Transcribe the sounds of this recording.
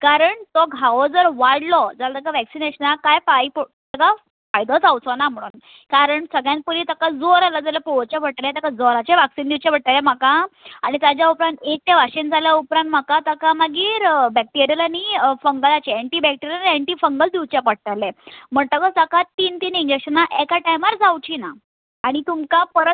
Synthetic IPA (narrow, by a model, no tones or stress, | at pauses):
kaɾəɳt̪ɔɡʱaʋɔd͡zəɾʋaɽlɔd͡zalat̪əkaʋɛksineɕənakajpaipt̪əka | fajd̪ət͡sawt͡sɔnam̤əɽ̃ṵːn | kaɾəɳsəɡɭjãn̚pulit̪əkad͡zoɾalad͡zalapot͡ɕabəɽʈ̪alẽt̪akad͡zɔɾat͡ɕeʋaksiːnd̪iwt͡ɕabʱəɽt̪alem̤əkaaɽ̃it̪ad͡ʑjaupɾãnt̪ek̚t̪eʋaɕend͡zaljaupɾant̪̚m̤əkat̪əkaməɡiːɾbɛk̚ʈiɾijəlaɽ̃ifəŋɡəlat͡ɕeɛɳʈiːbɛk̚ʈiɾjəlaiɛɳʈiːfəŋɡəld̪iwt͡ɕapəɽ̚t̪alem̤əɳt̪əkəsakat̪iːnt̪iːniɲd͡ʑekʂənaʔekaʈajmaɾd͡zawt͡ɕina | aɽ̃it̪umkapəɾət̪̚